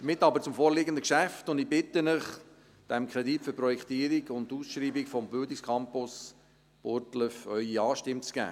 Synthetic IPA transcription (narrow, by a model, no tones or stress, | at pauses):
əmɪtːɑbəɾt͡sʊmfoːɾliɡənd̪əkʃæftʊnd̪ɪibɪtːənəχ | d̥ɛmkʰɾɛditføɾprɔjɛkʰt̪iːɾiɡʊnduːsʃɾiːbikfɔmbʏldɪkskʰɑmpʊs | b̥ʊɾtləfœʏiɑːʃtɪmt͡sɡ̥æ̰ː